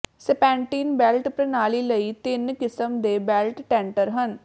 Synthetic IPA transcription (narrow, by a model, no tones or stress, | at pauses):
sɛpɛ̃ːɳʈiːnbɛːlʈpɾənaːliːləiːt̪ɪnkɪsəmd̪eːbɛːlʈʈɛ̃ːɳʈəɾɦən